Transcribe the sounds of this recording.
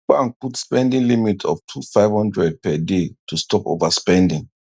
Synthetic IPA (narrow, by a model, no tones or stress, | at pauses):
k͡pãnputspɛ̃ndĩŋlimitʰɔ̰ftʰufaɪvhɔ̃ndɹɛd̚pɛdetʰustɔpo̰vaspɛ̃ndĩŋ